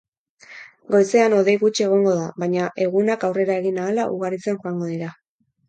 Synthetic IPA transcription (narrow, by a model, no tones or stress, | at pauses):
ɡo̞jse̞ano̞ðe̞jɣut͡ʃe̞ɣ̞o̞ŋɡo̞ðaβaɲaʔe̞ɣ̞unakawre̞ɾae̞ɣinaːlaʔuɣ̞aɾit͡senxoaŋɡo̞ðiɾa